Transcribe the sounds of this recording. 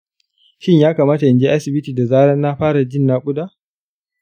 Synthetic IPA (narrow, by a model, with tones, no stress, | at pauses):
ʃɪ˦ɲjaː˦kaː˨maː˦ta˨ʔɪ˨d͡ʒeː˦ʔa˦sɪ˨bɪ˦tiː˨da˨zaː˦ɽɐ˦nːa˦ɸaː˦ɽa˨d͡ʒɪ˦˨nːaː˦kʷʼʊ˦da˦